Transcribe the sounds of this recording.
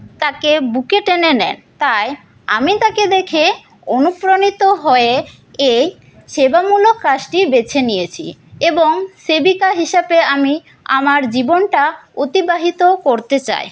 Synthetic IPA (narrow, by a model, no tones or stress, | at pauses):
t̪akebukeʈenenɛ̰n | t̪aj | a̰mit̪aked̪ekʰe | onupɾonit̪oɦoe | ej | ʃebamulokːaʃʈibet͡ɕʰenijet͡ɕʰḭeboŋsebikaɦiʃabeami | a̰maɾd͡ʑibonʈaot̪ibaɦit̪okoɾt̪et͡ɕa̰e